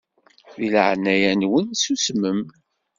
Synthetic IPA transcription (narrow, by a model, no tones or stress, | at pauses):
ðilʕnæjænwənsusməm